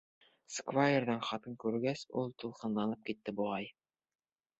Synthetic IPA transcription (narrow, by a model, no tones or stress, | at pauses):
skvajerd̪ɑnχɑt̪ɤɴkʉɾɡæsulˠt̪ulˠqɤ̆nlˠɑnˠɤp̚kit̪ːɘbuʁɑj